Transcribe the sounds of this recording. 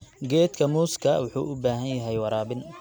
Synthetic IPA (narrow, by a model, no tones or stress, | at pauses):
ɡɛːd̪kʰɐmuːskʰɐ̰wʊħṵːʔʊbaːɦɐnjɐɦɛjwɑɾaːbɪn